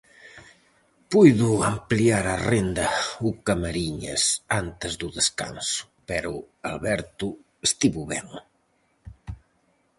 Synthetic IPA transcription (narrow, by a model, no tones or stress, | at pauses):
pujðʊampliaɾarend̪ɐukamaɾiɲɐ̰sant̪ɪzðʊðeska̰nsʊ̥pɛɾʊ | alβɛɾt̪ʊ | est̪iβʊβɛŋ